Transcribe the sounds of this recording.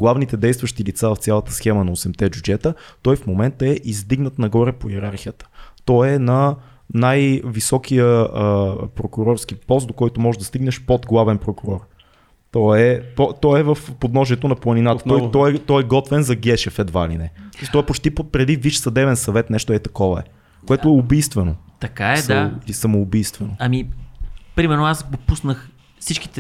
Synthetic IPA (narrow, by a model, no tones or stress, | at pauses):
ɡ̥lˠavnit̪ɛd̪ɛjst̪vəʃt̪ilit̪savɐft̪sʲjalˠɐt̪ə̥sxɛmənɐosɛmt̪ɛbʲjud͡ʒɛt̪ət̪ɔjfmomɛnt̪əɛʔizd̪iɡnət̪nɐɡɔɾɛpoiɛɾaɾxijət̪ə̥t̪ɔɛnɐ | najvisɔkijəəpɾokʊɾɔɾsk̟ipɔst̪̚d̪okɔjt̪omɔʒɛd̪ɐst̪iɡnɛʃpod̪ɡlˠavɛnpɾokʊɾɔɾ | t̪ɔɛpɔt̪ɔɛvəfpod̪nɔʒiɛt̪onɐplˠɐninat̪ə̥ɔj̪ɔɛt̪ɔjɛɡɔt̪vɛnzɐɡɛʃɛfɛd̪va̰lḭnɛt̪ɔɛpot͡ʃt̪ipopɾɛd̪iviʃsɐd̪ɛvɛnsɐvɛt̪nɛʃt̪ʊɛt̪ɐkɔvəɛ̰ | koɛt̪ʊɛʊbijst̪vɛnot̪ɐkaɛd̪asɐmoːbijst̪vɛnoɐmi | pɾimɛɾnoasɡopusnəx | sit͡ʃki̥t̪ɛ